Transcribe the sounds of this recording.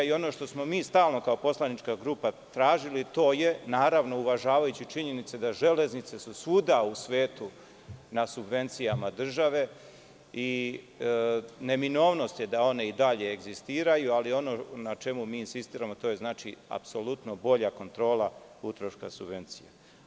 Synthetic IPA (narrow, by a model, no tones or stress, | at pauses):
io̞no̞ʃt̪o̞smo̞miːst̪aːlno̞kaopo̞slˠanit͡ʃkaɡɾuːpat̪ɾaːʒilit̪o̞ːje̞naːɾaʋno̞uʋaʒaːʋajut͡ɕit͡ʃiɲe̞nit̪sed̪aʒe̞le̞znit̪sesusuːd̪ausʋeːt̪u | nasubʋe̞nt̪sijamad̪r̩ʒaʋe̞ | i | ne̞mino̞ːʋno̞st̪jed̪ao̞ne̞id̪aʎe̞ːɡzist̪iːɾajualio̞no̞nat͡ʃe̞mumiːinsist̪iːɾamo̞t̪oːjeznaːt͡ʃia̰pso̞lut̪no̞bo̞ʎako̞nt̪ɾo̞ːlˠa | ut̪ɾoʃka̰subʋe̞nt̪sḭja̰